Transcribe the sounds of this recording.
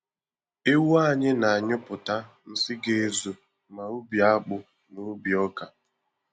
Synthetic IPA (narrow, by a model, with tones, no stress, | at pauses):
e˦wa˦˨ɲɪ˦na˨a˨ɲʊ˦pʊ˨ta˦ | n̩˦sɪ˦ɡe˦zo˨ | ma˨u˦bi˨a˦k͡pʊ˨ | no˨˦bjɔ˦ka˨